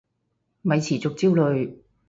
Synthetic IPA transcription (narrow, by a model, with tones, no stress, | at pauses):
mɐ˨jt͡sʰiː˨˩t͡sʊ˨k̚t͡siː˥wlɵ˨˧ɥ